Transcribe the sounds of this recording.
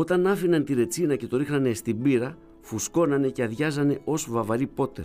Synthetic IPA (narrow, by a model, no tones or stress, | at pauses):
o̞t̪ɐnɐfinɐnt̪iɾe̞t͡sinɐce̞t̪o̞ɾixnɐne̞st̪ibiɾɐ | fusko̞nɐne̞ce̞ɐðʝɐzɐne̞ʔo̞svɐvɐɾipo̞t̪e